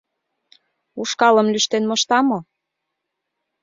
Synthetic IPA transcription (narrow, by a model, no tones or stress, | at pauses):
uʃkɑləmlyʃt̪enmoʃt̪ɑmo